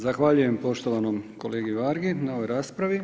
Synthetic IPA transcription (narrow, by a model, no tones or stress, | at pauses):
zaxʋaʎuje̞mpo̞ʃt̪o̞ʋanomko̞leːɡiʋaɾɡinao̞ʋo̞jɾaːspɾaʋi